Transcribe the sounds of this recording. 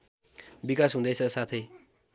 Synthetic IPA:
bikasɦũd̪ʌjt͡sʰʌsat̪ʰʌj

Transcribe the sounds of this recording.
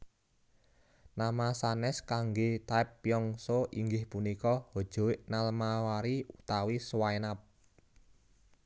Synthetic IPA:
namasanɛskaŋɡet̪aipːjɔŋsoʔiŋɡɪhpunikɔhod̥ʒ̥o̤ɪʔnalmawaɾiut̪awiswaenap̚

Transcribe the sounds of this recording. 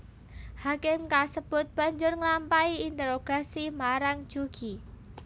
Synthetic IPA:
hakɪmkasəb̥ʊt̪̚b̥a̤ɲd͡ʒʊrŋlampaiint̪əɾoɡ̥a̤simaɾaŋ̥d͡ʒ̥uɡ̥i

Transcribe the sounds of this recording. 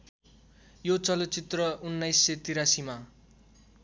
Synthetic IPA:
jot͡sʌlot͡sit̪rʌʔunːʌjsːet̪iɾasima

